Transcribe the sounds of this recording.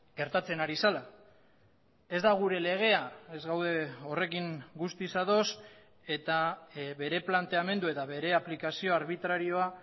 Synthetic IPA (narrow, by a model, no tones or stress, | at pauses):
ɡe̞ɾt̪at͡se̞naɾisala | e̞zd̪aɣ̞uɾe̞le̞ɣ̞e̞ae̞zɣawðe̞o̞re̞kiŋɡust̪isaðo̞s | e̞t̪aβe̞ɾe̞plant̪e̞ame̞nd̪ue̞t̪aβe̞ɾe̞aplikasio̞aɾβit̪ɾaɾio̞a